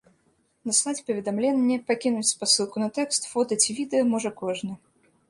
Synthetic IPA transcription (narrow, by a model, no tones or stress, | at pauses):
nɐsnat͡sʲpɐvʲɪd̪amlʲɛnʲːɛpakʲinut͡sʲpasɨlˠkʊnɐt̪ɛkst̪fɔt̪ɐt͡sʲivʲid̪ɨjɐmɔʐɐkɔʐnʲɨ